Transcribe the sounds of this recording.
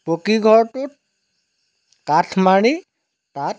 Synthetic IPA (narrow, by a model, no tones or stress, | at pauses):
pokiɡʱɔɹʈu | katʰmaɽ̃i | ta